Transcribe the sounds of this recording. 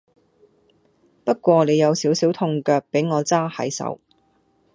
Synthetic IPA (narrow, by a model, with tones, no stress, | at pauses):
pɐ˥t̚kʷɔː˧ne˨˧jɐ˨˧wsiː˨˥wsi˨˥wt̪ʰʊ˧ŋkœː˧k̚pe˨˥jŋɔː˨˧t͡saː˥hɐ̰˨˥jsɐ̰˨˧˥w